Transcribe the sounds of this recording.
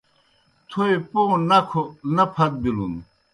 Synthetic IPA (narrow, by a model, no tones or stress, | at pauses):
t̪ʰoeponɐkʰonɐpʰɐt̪̚bilun